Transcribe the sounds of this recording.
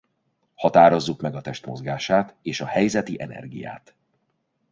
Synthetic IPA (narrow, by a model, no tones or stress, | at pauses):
hɒt̪aːɾo̞zːukmɛɡɒt̪ɛʃt̪mo̞̰zɡaːʃaːt̪eːʃɒhɛjzɛt̪iʔɛnɛ̰rɡḭja̰ːt̪